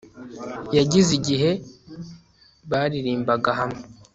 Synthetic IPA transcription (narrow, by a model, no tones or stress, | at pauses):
jaɟiziɟiɦe̞ | βaːɾiɾiːmbaɡaɦamŋe